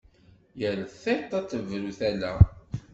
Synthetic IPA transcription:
jəlθæjt̪ˤːɑt͡sːəvɾuθælæ

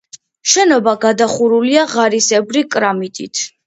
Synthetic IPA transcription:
ʃɛnɔbaɡad̪aχuɾuliaʁaɾisɛbɾikʼɾamit̪ʼḭt̪ʰ

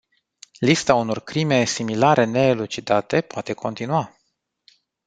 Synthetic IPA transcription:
list̪auno̞rkɾime̞similaɾe̞ne̞ːlut͡ʃid̪at̪e̞poat̪e̞kʰo̞nt̪inua

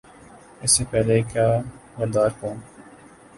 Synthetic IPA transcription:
ɪsːepɛɦlekaːʋɐɾd̪aːɾkõːn

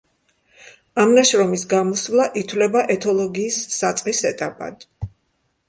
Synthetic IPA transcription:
amnaʃɾɔmisɡamɔsvlˠaʔit̪ʰwlɛbaʔɛt̪ʰɔlˠɔɡiːsːat̪sʼqχʼisɛt̪ʼapʼa̰d̪̥

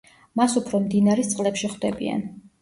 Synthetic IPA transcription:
masupʰɾɔmd̪inaɾɛst̪sʼqʼlɛpʃiχwd̪ɛbḭa̰n

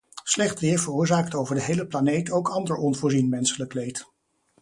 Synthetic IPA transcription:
slɛχtʋɪːɹvərʊːɹzaːktowvəɹdəɦejləplanejtowkɑndəɹɔnvʊːɹzinmɛnsələklejt

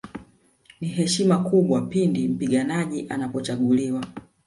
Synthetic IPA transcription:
niɦɛʃimakuɓwapindim̩piɠanaʄiʔanapɔt͡ʃaɠuliwa

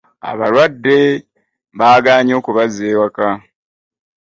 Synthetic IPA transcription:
a̰βa̰ɾwadːe̞ | βaːɡaːɲo̞ːkuβazeːwaka

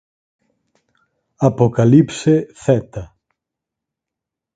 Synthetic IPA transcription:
ɐpo̞kɐlipse̞θet̪ɐ

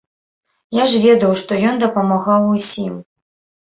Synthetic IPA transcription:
jaʐvʲɛd̪ɐwʂt̪ɔjɔnd̪ɐpɐmaɣawusʲim

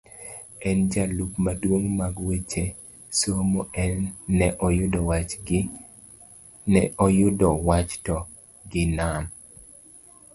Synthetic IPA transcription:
ɛnd͡ʒalupmadwoŋmaɡwet͡ʃe | somoʔɛnːɛʔɔjʊdɔwat͡ʃ | nɛʔɔjʊdɔwat͡ʃtɔ | ɡɪnan

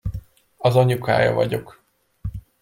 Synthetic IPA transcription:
ɒzɒɲukʰa̰ːjɒ̰vɒɟo̞k

